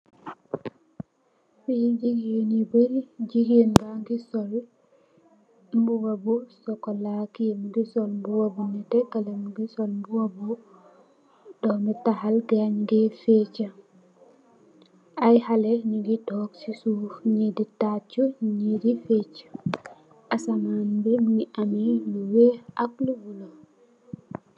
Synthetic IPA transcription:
fid͡ʒiɡjenibəɾd͡ʒiɡjenbaŋɡisɔl | mbuwabusɔkːɔlakijemɡisɔlmbuwabunɛtɛkalamɡisɔlmbuwabu | ɗɔmɛtaɦalɡaɲɡɛfɛt͡ʃa | ajhalɛniɡitɔksisufɲiditat͡ʃːuɲidifɛt͡ʃḁ | ʔasamanbɛmiʔamiluwɛakluɡulɔ

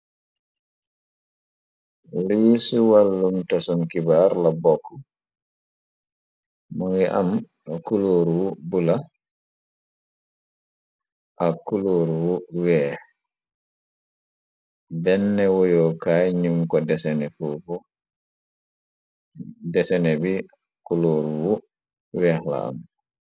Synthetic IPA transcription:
ɾiːsuwalːumtasɔnkibaɾlabɔkʰːɔ | mɔŋɛʔam | akuloːɾuwubula | ʔakuloɾuwuwɛh | bɛnːɛwojɔkajɲumkɔdɛsɛnɛfufɔ | dɛsɛnɛbi | kuloːɾuwu | wɛhla̰a̰m

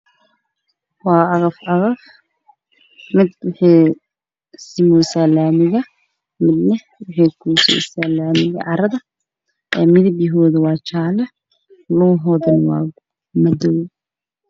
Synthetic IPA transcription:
wɑːʔɐɣɐfɐɣɐf | mɪd̪wʊħiː | sɪmuːsalaːmɪɣɐ | mɪd̪nɐ | wɪħiːkʰuːsɔ̰salaːmɪɣɐ̰ʕɑɾɐðɐ | ʔɛːmɪðɐbjɪɦɔːðʊwɑːt͡ʃaːlɛ | lɔːɦɔðɐnwɑ̰ː | mɐdɔw

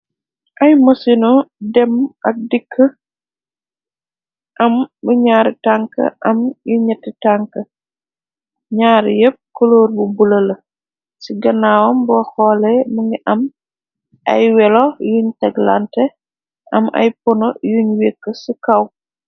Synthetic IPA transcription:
ʔɐjmɐsinɔdɛmɐk̚dikʰːə | ʔɐmbəɲaːɾitaŋkə̰ʔɐmjuɲɐtːitaŋkə | ɲaːɾjəp̚kɔloːɾbubulɐlɐ | siɡɐnaːwɐmbɔxɔːlɛməŋɡiʔɐm | ʔɐ̰jwɛlɔjuɲtɛɡla̰ntɛ | ʔɐmɐ̰jpɔnɔjuɲwekːəsikɐw

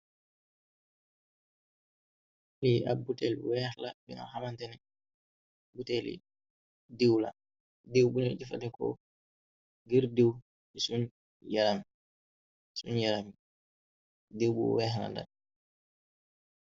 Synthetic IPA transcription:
liʔa̰butɛlwɛhlabḭŋa̰hamantɛnɛ | butɛlḭ | dewla̰ | dewbunid͡ʒifatɛkɔ̰ | ɡiɾdew | ɛsun | jaɾami | sunjaɾami | dewbṵwɛːhla̰nda̰n

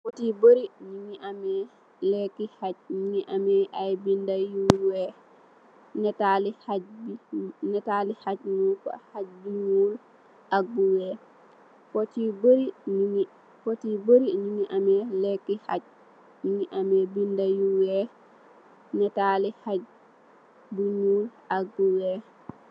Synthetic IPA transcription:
fotiboɾiɲiŋiʔamɛ | lɛkːihat͡ʃ̚ɲimiʔamɛʔajbindajuwɛ | nɛtalihabinɛtalihat͡ʃnuka̰had͡ʒbimul | ʔabuwɛ | potiboɾini | potiboɾinuniʔamɛlɛkːiha̰t͡ʃ | niniʔamɛbindajuwɛ | nɛtalihad͡ʒ | buɲuːl | abuwɛ

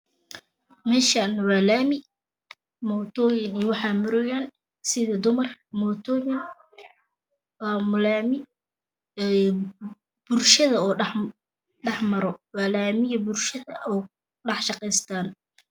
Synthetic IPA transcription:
mɛːʃaːnwaːlaːmɪ | mɔːt̪ʰɔːjɪnɛːwɑħɑːmʊɾɔjaːn | sɪðɐd̪ʊmɐrmɔːt̪ʰɔːjɪn | wamʊlaːmɪ | b̥ʊlʃɐðɐɔː | ɖɑħmɐɾɔwaːlaːmɪjɐbʊrʃɐðɐ̰ʔɔː | ɖɑħʃɑqɛjst̪ʰaːn

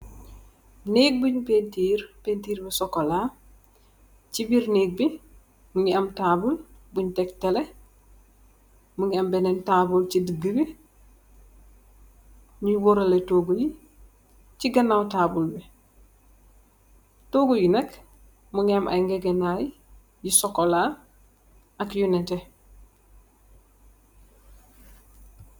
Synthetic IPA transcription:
neːk̚buɲpentiːɾpentiːɾbɛsɔkːola | t͡ʃibiɾneːɡ̚bi | muɲiɐmtaːbulbuɲtɛktɛle | muɲiambɛnɛntabult͡ʃidiɡəbi | ɲiwoɾaletoːɡuji | t͡ʃiɡɐnːawtaːbulbe | toːɡujinek | muɲamʔa̰ŋɡeɡenaji | jisɔkola | akjunɛte

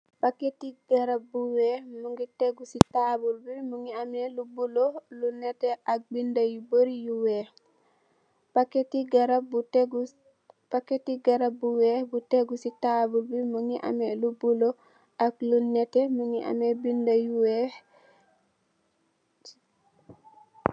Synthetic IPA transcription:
paketiɡaɾabuwɛmuŋɡitɛɡusitabulbimuŋiamɛlubulolunɛtɛʔak̚bindajuboɾijuwɛ | paketiɡaɾatɡ | pakːetiɡaɾabuwɛbutɛɡusitabulbimuŋiʔa̰mɛlubulo | ʔaklunːɛtɛmuŋiʔa̰mɛbindajuwɛ

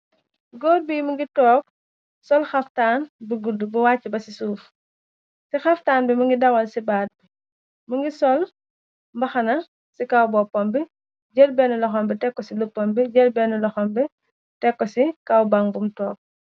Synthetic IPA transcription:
ɡɔːbiːmuŋɡitɔːk̚ | sɔlxɐftaːnbuɡudubuwaːcːibɐsisuːf | sixɐftaːnbimuŋɡidɐwɐlsibaːd̚bi | muŋɡisɔl | mbɐxɐnɐ | sikɐwbɔpːɔmbi | ɟəlbɛːnulɐxɔmbitɛkːɔsilupːɔmbiɟɛlbɛnulɔxɔmbi | tɛkːɔsikɐwbɐŋbumtɔːk̚

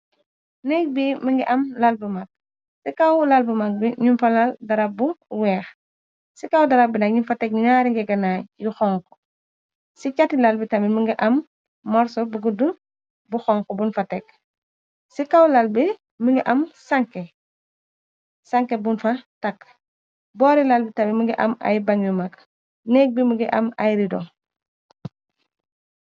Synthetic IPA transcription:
nɛk̚biməŋɡiʔɐmlalbumak̚ | sikawlalbumak̚biɲunfalaldaɾap̚buwɛːx | sikawdɐɾab̚inɐk̚ɲunfatɛk̚ɲuɲaɾiŋɡɛɡɐnaːjuxɔŋkɔ̥ | sit͡ʃatilalbitɐmiməŋɡiʔɐmː | ɔɾsɔbuɡudun | buxɔŋkɔbunfatɛk̚ | sikawlalbi | məŋɡiʔɐmsaŋke | saŋkebunfatakː | bɔːɾilalbitɐmimuŋɡiʔɐ̰ma̰jbaŋjumak | nɛk̚bimuŋɡiʔɐ̰ma̰jɾidɔ̰

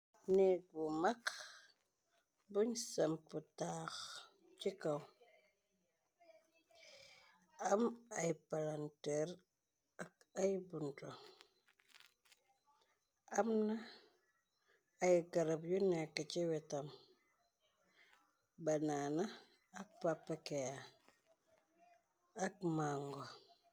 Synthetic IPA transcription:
nɛɡumak | buɲsamputaːx | t͡ʃikaw | amajpalantɛɾ | akajbunto | amna | jɡɐɾɐpjunɛkːət͡ʃiwɛtam | banaːnaː | k̚papːakɛja | ɐk̚maŋɡo

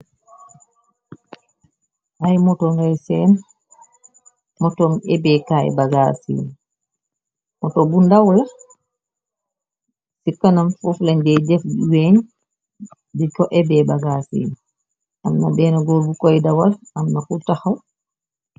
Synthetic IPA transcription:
hajmɔtɔŋɡajsɛːn | mɔtɔmɛbɛkaːɛ̰baɡasḭːn | mɔtɔbundawla | sikːanamfɔflaɲdɛd͡ʒɛfdiweɲ | dikɔʔɛbɛːbaɡasḭn | ʔamnabɛːnɔɡoɾbukɔjdawalamnakutahaw

